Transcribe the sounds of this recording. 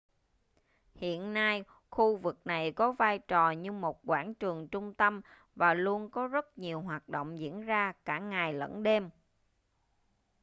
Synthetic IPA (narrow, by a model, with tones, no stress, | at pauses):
hḭ˧˨ənːaː˧j | xu˧vɨ˨˩k̚na˨˩jkɔ˨˦vaː˧jt͡ɕɔ˨˩ɲɨ˧mo˨˩t̚kwaː˧˩nt͡ɕɨ˨˩əŋt͡ɕʊ˧ŋ͡mt̪ə˧m | vaː˨˩lu˧ənkɔ˨˦zə˦˥t̚ɲi˨˩əwɦwaː˨˩t̚ɗo̰˧˨wŋ͡mzḭ˧˥ənzaː˧kaː˧˩ŋaː˨˩jlə̰˧˥nɗe˧m